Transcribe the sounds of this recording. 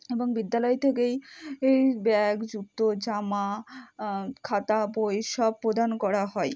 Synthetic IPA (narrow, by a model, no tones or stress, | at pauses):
eboŋbid̪ːalɔet̪ʰek̬ejejbɛkd͡ʑut̪ːod͡ʑama | kʰat̪abojʃɔb̚pɾod̪ʱankɔɾaɦɔe